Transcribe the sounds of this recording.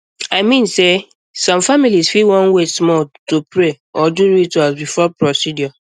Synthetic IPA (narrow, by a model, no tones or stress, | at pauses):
aɪmĩnse | sɔ̃mfamilisfiwɔ̃nwesmɔtopɹe | ɔduɹitasbifɔpɹɔsidjɔ